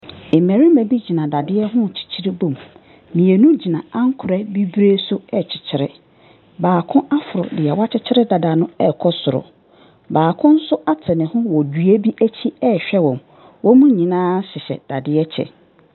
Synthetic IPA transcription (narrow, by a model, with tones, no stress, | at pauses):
ɪ˨mæ̃˨ɾɪ˦mæ̃˨bi˦d͡ʑi˨nã˨da˨dɪ˦ɛ˦ɦʊ̃˦˨t͡ɕʰi̥˨t͡ɕʰi˦ɾi˦bõ˦˨m | mĩ˨ɛ˨nũ˦d͡ʑi˨nã˨ã˦ŋ̩˦kʰʊ˨ɾɛ˦bi˦bɾe˦sʊ˦ɛ˦t͡ɕʰɪ̥˨t͡ɕʰɪ˨ɾɪ˦ | baː˨kʰʊ̃˦ʔa˦fʊ˨ɾʊ̰˨dɪ˨ɛ˨wa˦t͡ɕʰɪ˦t͡ɕʰɪ˦ɾɪ˦da˨da˨nʊ̃˦ɛ˦˨kʰɔ˦sʊ˨ɾʊ̰˨ | baː˨kʰʊ̃˦n̩˦sʊ˦ʔa˦tʰɛ˨nɪ̃˨hʊ̃˦wɔ˨dɥe˦bi˦ʔæ˦t͡ɕʰi˦ɛ˦˨ɕᶣɛ˦wɔ̃˨m | wɔ˦mũ˦ɲĩ˨nãː˦ɕɪ˨ɕɛ̰˨d̥a˨dɪ˦ɛ˦t͡ɕʰɛ̰˨